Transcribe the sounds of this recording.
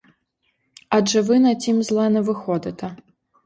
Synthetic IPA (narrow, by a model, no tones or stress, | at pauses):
ɐʐɨvɨnɐt͡sʲimzlˠanɛvɨxɔd̪ɐt̪ɐ